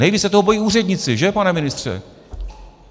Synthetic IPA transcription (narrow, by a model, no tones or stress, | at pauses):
nɛjviːt͡ssɛt̪oɦobo̞jiːʔuːrɛdɲɪt͡sɪʒɛpanɛmɪnɪst̪r̝̥ɛ̰